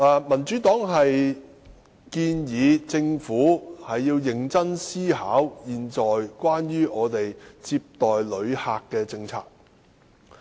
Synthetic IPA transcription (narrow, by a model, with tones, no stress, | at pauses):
aː˨˧mɐ˨˩nt͡ʃy˨˥t̪ɔː˨˥ŋɦɐ˨j | kiː˧njiː˨˧t͡sɪ˧ŋfuː˨˥hɐ˨jːiː˧wjɪ˨ŋt͡sɐ˥nsiː˥ɦaː˨˥wjiː˨nt͡sɔː˨jkwaː˥njyː˥ʔɔː˨˧t̪e˨jt͡siː˧p̚t̪ɔː˨jlɵ˨˧ɥhaː˧kːɛː˧t͡sɪ˧ŋt͡sʰa̰ː˧k̚